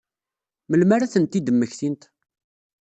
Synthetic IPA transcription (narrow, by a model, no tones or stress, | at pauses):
məlmaɾaθənt̪ːid̪əmːəçθint̪